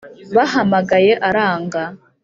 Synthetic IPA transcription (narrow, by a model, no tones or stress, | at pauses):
βaɦamaɡaje̞ʔaɾaːŋɡa